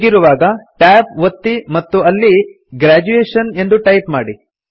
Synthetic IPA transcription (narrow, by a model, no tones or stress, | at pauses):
ɡiɾuʋaːɡɐʈaːp̚ʋɐt̪ːimɐt̪ːuɐlːi | ɡɾaːd͡ʒueːʂɐne̞nd̪uʈɐjpma̰ːɽi